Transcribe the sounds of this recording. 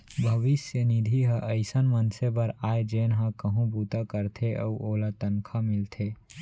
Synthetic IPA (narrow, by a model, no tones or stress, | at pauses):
bʱɐʋɪsjənɪd̪ʱiɦəʔɐɪsənmɐnsebɐɾaːed͡ʒeːnɦãkɐɦũbuːt̪akəɾt̪ʰeʔɐ̰uʔoːlat̪ɐnkʰamɪlt̪ʰeː